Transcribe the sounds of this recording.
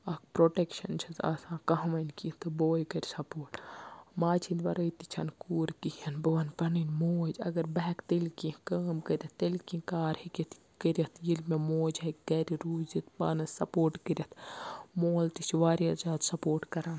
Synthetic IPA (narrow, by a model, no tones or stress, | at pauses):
ɐkpɾoːʈekʃɐnt͡ʃʰɐt̪ʰa̰ːsãːkɐɦmɐnkĩt̪ɨboːjkɐɾʲsɐpoːɾʈmaːt͡ʃʰinʋɐɾɐit̪it͡ʃʰɐ̰nkuːɾkihɐnbɐʋɐnpɐninmoːd͡ʒɐ̰ɡɐɾbɐɦɛkt̪ilkĩkɐːmkɐɾʲɐt̪t̪ːelkĩkaːɾhikʲit̪ʰ | kɐɾʲjɐt̪ʰjilmemoːd͡ʒɦɐkɡɐɾiɾuːzit̪ba̰ːnɐsɐpoːɾʈkɐɾʲɐt̪ʰmoːlt̪isʰiʋaːɾiɐzaːd̪sɐpoːɾʈkɐɾaːn